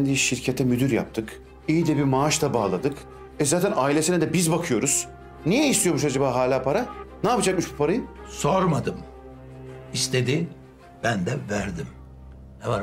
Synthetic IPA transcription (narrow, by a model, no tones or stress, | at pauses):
nd̪iʃiɾcʰet̪ʰɛmyd̪yɾja̰p̚t̪ʰɯk | ijid̪ɛbimaːʃd̪abaːlˠad̪ɯk | ɛzaːt̪ʰænaːilʲe̞sinɛd̪ɛbizbakʰɯjo̞ɾuz̥ | nijɛist̪ʰijo̞muʃad͡ʒabaːɦaːlʲaːpʰaɾanaːpad͡ʒak̚mɯʃt͡ʃbipʰaɾajɯsoɾmad̪ɯm | ist̪ʰed̪i | b̥ænd̪ɛvæɾd̪im | nɛvaɾ